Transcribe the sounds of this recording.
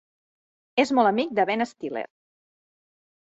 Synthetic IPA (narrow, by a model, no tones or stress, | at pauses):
ezmɔlˠəmik̚d̪əβɛnəst̪ilḛɾ